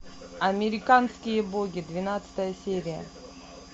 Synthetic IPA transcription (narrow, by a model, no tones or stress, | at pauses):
ɐmʲɪɾʲɪkanskʲɪjəboɡʲid̪vʲɪnat̪sə̥t̪əjəsʲeɾʲɪjə̰